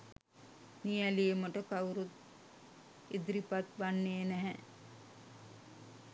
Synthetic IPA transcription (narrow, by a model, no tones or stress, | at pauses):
nijælijeməʈəkauɾut̪ | id̪ɾipat̪ʋanːeːnæɦɛ